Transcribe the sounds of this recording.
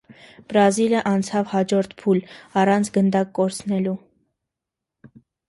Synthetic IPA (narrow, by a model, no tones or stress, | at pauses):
b̥ɾɑziləʔɑnt͡sʰɑvhɑd͡ʒɔɾt̪ʰpʰulɑrɑnt͡sʰɡənd̪ɑkːɔɾt͡sʰnɛlu